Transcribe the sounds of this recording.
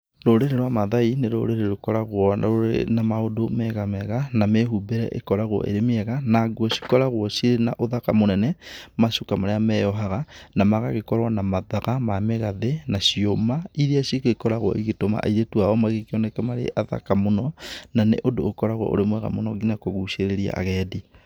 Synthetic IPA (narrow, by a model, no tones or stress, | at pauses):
ɾoɾeɾeɾwamaðaineɾo̰ɾeɾeɾokɔɾaɣwɔ̰onamaodomɛɣamɛɣanameɦubeɾɛ̰ʔḛkɔɾaɣwɔ̰ʔḛɾemeɛɣanaɡwɔsi̥kɔɾaɣwɔsiɾenaʔoðakamonɛnɛmaʃokamaɾeamɛjɔɦaɣanamaɣaɣekɔɾwanamaðaɣamameɣaðenaʃiomaiɾeaʃikikɔɾaɣwɔ̰ʔiɣetoma̰ʔa̰iɾetuaɔmaɣekeɔnɛkɛmaɾḛʔaða̰kamonɔnanḛʔodoːkɔɾaɣwɔ̰ʔo̰ɾemwɛɣa̰monɔɡinakoɣuʃeɾeɾia̰ʔa̰ɣɛdi